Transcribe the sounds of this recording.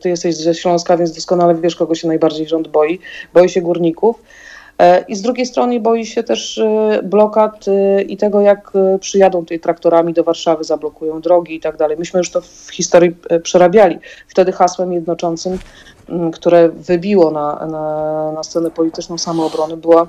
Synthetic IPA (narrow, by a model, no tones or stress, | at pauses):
t̪ɘjɛst̪ɛʑzɛɕlɔ̃w̃skavʲjnzd̪ɔskɔnalɛvʲjɛʂkɔɡɔɕɛnajbaɾd͡ʑejʐɔnd̪̚bɔjibɔjiɕɛɡuɾɲikuf | ʔizd̪ɾuɡʲejst̪ɾɔnəbɔjiɕɛt̪ɛʂblɔkat̪it̪ɛɡɔjakpʂɘjad̪ɔ̃w̃t̪ɛt̪ɾak̚t̪ɔɾamʲid̪ɔvaɾʂavɘzablɔkujɔ̃w̃d̪ɾɔɡʲiːt̪aɡ̚d̪alɛjmɘɕmɘjuʂt̪ɔfxʲist̪ɔɾjipʂɛɾabʲjalʲift̪ɛd̪ɘxaswɛmjɛd̪̚nɔt͡ʂɔnt̪sɘm | kt̪uɾɛvɘbʲiwɔnananast̪sɛnɛpɔlʲit̪ɘt͡ʂnɔ̃w̃samɔːbɾɔnɘbɘwa